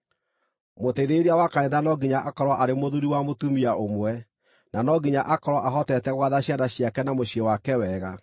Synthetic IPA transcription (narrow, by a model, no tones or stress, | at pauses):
moteðeɾiawakaɾeðanɔɡiɲaʔakɔɾwɔʔaɾemoðuɾiwamotumiaʔomwɛ | nanɔɡiɲaʔakɔɾwɔʔaɦɔtɛtɛɣwaðaɕjadaɕjakɛnamoɕiewakɛwɛɣa